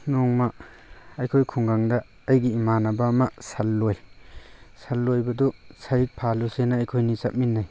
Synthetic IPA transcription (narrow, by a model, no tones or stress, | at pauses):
noŋma | ɐjkʰojkʰuŋɡaŋdɐː | jɡiːmanabamasalːoj | salːojbɐdusajik̚pʰalusenaːjkʰojnisap̚minːaj